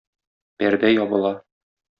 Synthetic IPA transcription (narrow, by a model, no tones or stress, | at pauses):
pæɾd̪æjɒbɤ̆lˠɑ